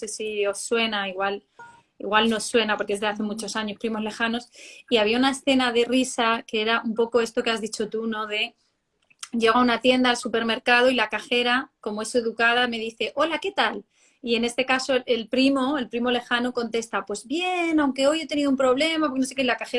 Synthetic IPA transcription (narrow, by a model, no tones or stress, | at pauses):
ose̞siosːwe̞naiɣwal | ḭɣwalno̞swe̞napo̞ɾkee̞zðeaθe̞mut͡ʃo̞saɲo̞spɾimo̞zle̞xano̞siaβiaunae̞sθe̞nað̞e̞risakeeɾaumpo̞ko̞e̞st̪o̞keazðit͡ʃo̞t̪uno̞ðe̞ | ɟ͡ʝe̞ɣ̞aunat̪je̞nd̪aːlsupe̞ɾme̞ɾkaðo̞ilakaxe̞ɾako̞mo̞e̞se̞ðukaðame̞ð̞iθe̞ʔo̞lake̞t̪al | iene̞st̪e̞kaso̞e̞lpɾimo̞e̞lpɾimo̞le̞xanuko̞nt̪e̞st̪apwe̞zβje̞nãwŋke̞o̞je̞t̪e̞niðoumpɾo̞β̞le̞mapokenos̬ekelakaxe